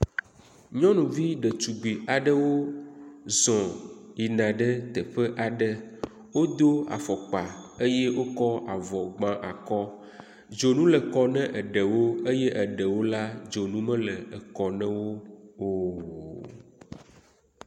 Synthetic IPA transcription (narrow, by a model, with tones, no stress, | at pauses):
ɲɔ̃˦nũ˨vi˦ɖə˨t͡ʃu˨ɡ͡bi˨a˨ɖə˦wo˦ | zɔ̃˨i˨nã˨ɖə˦t̪ɛ˨ɸə˦ʔa˨ɖə˦ | wo˦d̪o˦a̰˨fɔ˨k͡pa˨e˦jɛ˦wo˦kɔ˦a˨vɔ˨ɡ͡bã˦ʔa˨kɔ˦ | d͡ʒo˨nũ˦lɛ˨kɔ˦nɛ̃˦ʔə˨ɖɛ˨wo˦e˦jɛ˦ʔə˨ɖə˨wo˦la˦d͡ʒo˨nũ˦mɛ̃˦lə˨ə˨kɔ˨nɛ̃˦wo˦o˦